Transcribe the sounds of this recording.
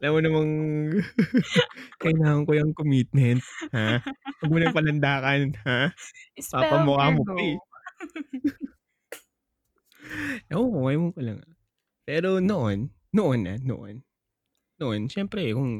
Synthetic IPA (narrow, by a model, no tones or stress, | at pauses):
ʔɐlɐmonɐmɐŋ | kɐʔɪnaːŋɐŋkojɐŋkomit̪̚mɛnt̪̚hawɐɡ̚muːnɐŋpɐlɐnd̪aːkɐnha | papɐmokamoɪ | ʔooʔɐjɐmʊŋkɐlɐ̰ŋɐ̰ | pɛːɾo̞no̞ʔo̞nː | oʔonʔɐ̰no̰ʔo̰nː | oʔo̞nʃɛmpɾɛkʊŋ